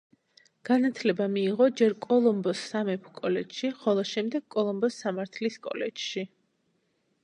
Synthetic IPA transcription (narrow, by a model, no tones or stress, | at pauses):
ɡ̥anat̪ʰlɛbamiːʁɔd͡ʒɛɾkʼɔlˠɔmbɔsːamɛpʰkʼɔlɛt͡ʃʃiχɔlˠɔʃɛmd̪ɛɡ̥kʼːɔlˠɔmbɔsːamaɾt̪ʰliskʼɔ̰lɛd͡ʒʃi